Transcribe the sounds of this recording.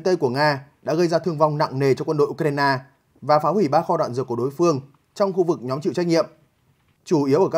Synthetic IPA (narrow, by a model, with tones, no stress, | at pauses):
t̪ə˧jku˧˩əŋaː˧ɗa̰ː˧˥ɣə˧jzaː˧t̪ʰɨ˧əŋva˧wŋ͡mna̰˧˨ŋne˨˩t͡ɕɔ˧kwə˧nɗo̰˧˨ʔu˧kɾaː˧jnaː˧ | vaː˨˩faː˨˦hwi˧˩ɓaː˧xɔ˧ɗwa̰ː˧˨nzəkːu˧˩˨ɗo˨˦jfɨ˧əŋ | t͡ɕɔ˧wŋ͡mxu˧vɨ˨˩k̚ɲɔ˨˦mt͡ɕḭ˧˨wt͡ɕa˧jk̚ɲḭ˧˨əm | t͡ɕu˧˩ʔi˨˦wʔəː˧˩ka˦˥